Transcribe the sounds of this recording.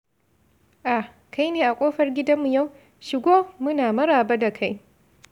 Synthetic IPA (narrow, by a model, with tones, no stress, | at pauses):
ʔa˨ | kʰa˦jneː˨ʔa˨kʷʼoː˦ɸɐ˦rɡʲɪ˦dɐ˦mːu˨ja˦˨w | ʃɪ˨ɡʷoː˦mʊ˦naː˨mɐ˦ɾaː˨ba˦da˨kʰa˦j